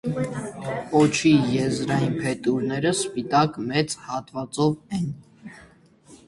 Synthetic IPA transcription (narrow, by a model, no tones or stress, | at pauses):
ɔt͡ʃʰijɛzɾɑjinpʰɛt̪uɾnɛɾəspit̪ɑkmɛt͡shɑt̪vɑt͡sɔvɛn